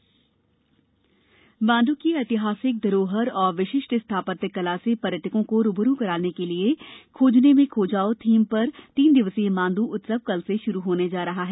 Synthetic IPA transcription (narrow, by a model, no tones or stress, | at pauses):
bãːnd̪ukiɐt̪ɪɦaːsɪk̚d̪əɾoːɦəɾɔːɾʋɪʃɪʃʈɪst̪ʰaːpət̪kɐlaːsepɐɾəʈʰɪkõkoɾʊbəɾukɐɾaːnekeliekʰoːd͡ʒnemẽkʰoːd͡ʒaːot̪ʰiːmpɐɾt̪iːnd̪ɪʋəsimãːnd̪uʔʊt̪səʋ̚kɐlseʃʊɾuɦoːned͡ʒaːɾɐɦaɦɛː